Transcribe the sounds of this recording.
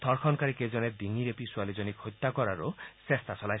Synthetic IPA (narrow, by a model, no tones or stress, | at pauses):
t̪ʰɔɾkʰɔnkaɾeked͡ʒɔned̪iŋiɾepiswalid͡ʒɔnikhɔjt̪ːakɔɾaɾosest̪ʰasɔla